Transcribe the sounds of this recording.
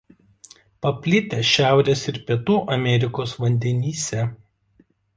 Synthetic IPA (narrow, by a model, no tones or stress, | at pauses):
pɐpʲlʲɪt̪ʲɛːʃʲæˑʊɾʲeːsɪɾpʲiɛt̪uːʔɐmʲɛɾʲɪkoːsʋɐnʲd̪ʲɛnʲiːsʲɛ